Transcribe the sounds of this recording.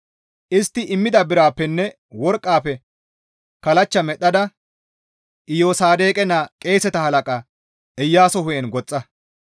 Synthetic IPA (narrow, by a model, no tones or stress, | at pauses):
ʔɪst̪ːɪʔɪmːɪd̪ɐbɪɾaːpːɛnːɛ | wɔɾkʼːaːpːɛ | kɐlɐt͡ʃːɐmɛɗːɐd̪ɐ | ʔɪjoːsaːd̪e̞ːkʼɛnːakʼe̞ːsɛt̪ɐhɐlɐkʼɐ | ʔɛjːaːsɔhʊjɛnɡɔt͡sʼːɐ